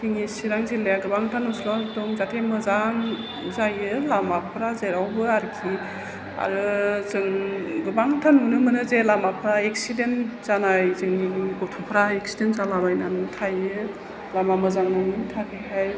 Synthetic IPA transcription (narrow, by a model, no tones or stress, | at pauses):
tʰiŋisiɾaŋzilejaɡɯbaŋtʰanuslatɔŋzatʰemɯzaŋ | zajɯlamapʰɾazeɾawbɯaɾkʰi | a̰ɾɯzɯŋɡɯbaŋtʰanunɯmɯnɯzelamapʰɾaek̚sidenz̥anajzɯŋniiɡɔtʰɔpʰɾaeksidenzalabajnanɯtʰajɯ | lamamɯzaŋnɔnitʰakʰeɦaj